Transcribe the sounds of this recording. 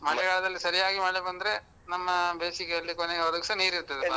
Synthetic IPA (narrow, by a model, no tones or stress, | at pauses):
mɐɭɛɡɐɭɐd̪ɐlːisɐɾijaːɡimaːɽebɐnd̪ɐɾe | nɐmːɐbeːsikeɐɭlːikoneɡeɐd̪ɐkisɐniːɾiɾt̪ːeɐd̪enːɐ